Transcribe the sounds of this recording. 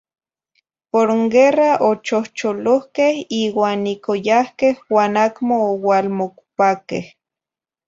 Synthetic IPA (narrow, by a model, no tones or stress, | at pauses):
poɾŋɡeraʔot͡ʃoht͡ʃolohkehiːwaːnikojahkehwaːnakmoːwalmokpakḛh